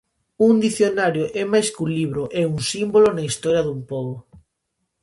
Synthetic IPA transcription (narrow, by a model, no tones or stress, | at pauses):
uŋd̪iθjonaɾjoʔɛmajskuliβɾoʔɛuŋsimbolonaist̪ɔɾjaðumpoβo